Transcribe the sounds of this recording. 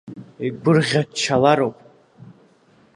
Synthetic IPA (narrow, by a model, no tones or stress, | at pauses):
iɡʷʊrʁʲat͡ʃʰːalaɾopʼ